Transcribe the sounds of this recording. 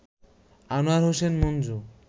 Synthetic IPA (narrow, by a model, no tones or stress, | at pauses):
anoaɾɦosenmond͡ʑu